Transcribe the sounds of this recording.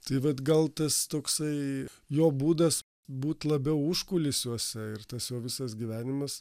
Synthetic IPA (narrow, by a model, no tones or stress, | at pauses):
t̪ɐɪʋɐt̪ɡɐlˠt̪ɐst̪oːksɐɪ | joːbuːd̪ɐs | buːt̪lˠɐbʲɛʊʊʃkʊlʲɪsʲjuɔsʲɛɪrt̪ɐsjoːʋʲɪsɐsɡʲiʋʲæːnʲɪmɐs